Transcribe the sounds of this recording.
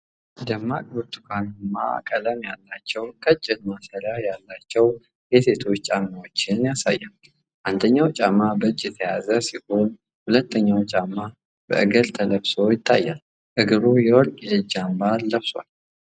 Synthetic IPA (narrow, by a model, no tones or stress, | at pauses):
d̪əmːakʼbuɾt̪ʰukʰanmːa̰kʼələmjalːat͡ʃːɛwkʰət͡ʃʼːɪd̪masəɾajalːat͡ʃːɛw | jɛse̞t̪ʰo̞t͡ʃːt͡ʃʼamːawot͡ʃːɪnjasa̰jːam | ʔand̪əɲːawt͡ʃʼamːabəɨt͡ʃʼːjɛt̪ʰəjazəsiho̞n | hulət̪ʰːəɲːawt͡ʃʼamːa | b̥ə̰ʔɨɡəlt̪ʰələbso̞jɪt̪ʰːajːal | ʔɨɡɨɾujɛwɔlkʼjɛɨd͡ʒambalːəβswa̰l